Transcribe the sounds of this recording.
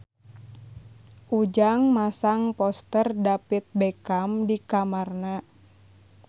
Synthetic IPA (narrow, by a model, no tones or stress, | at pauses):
ʔud͡ʒaŋmasaŋpɔst̪ərdapit̪̚bɛkamdikamarna